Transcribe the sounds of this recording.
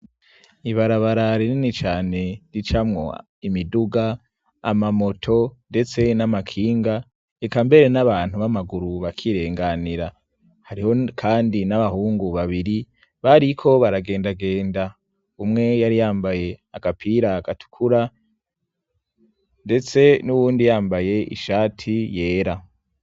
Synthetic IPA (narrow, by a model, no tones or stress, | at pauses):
iβaɾaβaɾaɾininit͡ʃaːne̞ɾit͡ʃamŋo̞ | imiduɡa̰ː | mamo̞tʰo̞nde̞t͡se̞namakʰiːŋɡa | ekambe̞ɾe̞naβaːn̥huβamaɡuɾuβakʰiɾe̞ːŋɡaniɾa | haɾiho̞kʰaːndinaβahuːŋɡuβaβiɾi | βaɾikʰo̞βaɾaɡe̞ːndaɡe̞ːnda | umŋe̞jaɾijaːmbaje̞aɡ̥apʰiɾaɡatu̥kʰuɾa | nde̞t͡se̞nuβuːndijaːmbaje̞ʔḭʃaːtʰije̞ːɾa